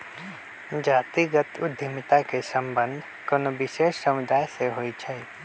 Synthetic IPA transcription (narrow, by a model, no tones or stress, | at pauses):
d͡ʒaːt̪iɡət̪ʊd̪ʱjɪmɪt̪akesə̃mbə̃nd̪ʱ | konobɪʃeːʃsəmʊd̪aːjseɦoit͡ʃʰɛi